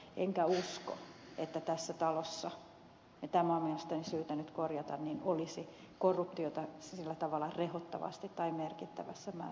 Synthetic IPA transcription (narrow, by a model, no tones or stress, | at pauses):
eŋkæusko̰et̪ːæt̪æsːæt̪ɑlosːɑ | jɑt̪æmomielest̪ɑnisyːt̪ænyt̪korjɑt̪ɑnninolisi | korːupt̪iot̪ɑsilːæt̪ɑʋɑlːˑɑrehot̪ːɑ̰ʋɑ̰st̪it̪ːɑimerkit̪ːæ̰ʋæsːæmæ̰